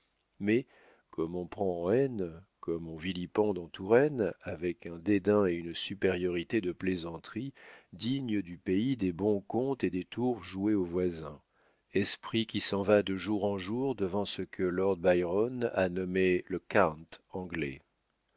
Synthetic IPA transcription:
mɛ | kɔmɔ̃pχɑ̃ɑ̃ɛnkɔmɔ̃vilipɔ̃d̪ɑ̃t̪uʁɛnavɛkɛ̃d̪ed̪ɛ̃eynsypeʁjɔʁit̪ed̪əplezɑ̃t̪χid̪iɲəd̪ypeid̪ebɔ̃kɔ̃t̪ed̪et̪uʁʒueovwazɛ̃ | ɛspχikʲisɑ̃vad̪əʒuʁɑ̃ʒuʁd̪əvɑ̃səkʰəlɔʁd̪̚bajʁɔna̰nɔmeləkaʁt̪ɑ̃ɡlɛ̰

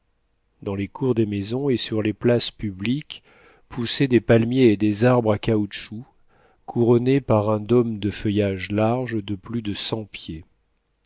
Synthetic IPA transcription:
d̪ɑ̃lekʰuʁd̪emezɔ̃esyʁleplaspyblik | pʰused̪epalmjeːd̪ezaʁbʁakauʃu | kʰuʁɔnepaʁɛ̃d̪ɔmd̪əfəjaʒlaʁʒd̪əplyd̪əsɑ̃pje

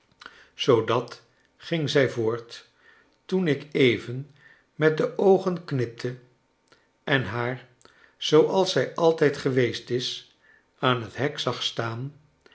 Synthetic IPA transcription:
z̥owdɑt | χɪŋzɛjvʊːɹt | tunɪkejvən | mɛt̚dəʔowχənknɪp̚tʰə | ʔɛnɦaːɹ | z̥owʔɑlˠsɛjʔɑlˠtɛjtχəʋejstɪs | aːnɦətɦɛksɑχstaːn

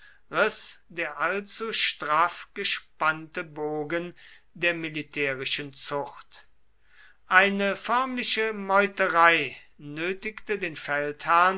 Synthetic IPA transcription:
ʁɪsdeːɐʔalt͡suʃtʁ̥afɡ̥əʃpantəboːɡən | deːɐmɪlitʰɛːʁɪʃənt͡sʊxt | ʔaɪnəfœɐmlɪʃəmɔʏtəʁaɪ | nøːtɪktədeːnfɛlthaɐn

